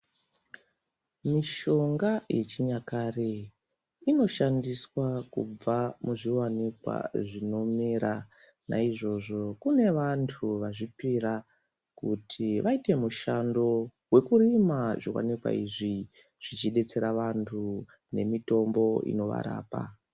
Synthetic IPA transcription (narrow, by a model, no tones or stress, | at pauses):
miʃo̞ŋɡajet͡ʃiɲakare | ino̞ʃandiswakṵb͡vamuʐiwanikwa̰ʐino̞miɾa | na̰iʐo̞ʐo̞kune̞ʋantʰuʋaʐipiɾa | kutʰiʋʔaite̞muʃando̞ | we̞kuɾimaʐiwa̰nikwa̰iʐi | ʐ̥it͡ʃiɗe̞t͡se̞ɾaʋantʰu | ne̞mito̞mbo̞ḭno̞ʋa̰ɾa̰ːpa̰